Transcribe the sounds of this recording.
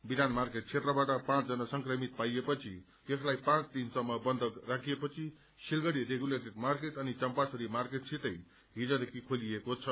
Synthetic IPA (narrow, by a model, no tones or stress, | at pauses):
bid̪anmarkeʈ̚t͡sʰet̪rʌbaʈʌpãt͡sd͡zʌnasʌŋkrʌmit̪̚pajepʌt͡sʰi | jʌslajpãt͡st̪insʌmːʌbʌnd̪ʱʌrakʰijepʌt͡sʰi | silɡʌɽiɾeɡuleʈirmarkeʈʌnit͡sʌmpasʌɾimarkeʈ̚t͡sʰit̪ʌj | ɦid͡zʌd̪ekʰikʰoliekot͡sʰʌ